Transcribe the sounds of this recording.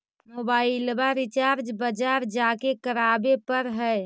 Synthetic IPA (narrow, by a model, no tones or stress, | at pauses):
mobaːɪlbaɾɪt͡ʃaːɾd͡ʒbəd͡ʒaːɾd͡ʒakekəɾaːbepəɾɦɛː